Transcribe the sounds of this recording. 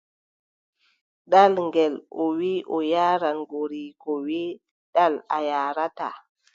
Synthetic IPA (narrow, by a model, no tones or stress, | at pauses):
ɗalŋɡɛlowiʔɔjaɾanɡoɾikowi | ɗala̰jaːɾata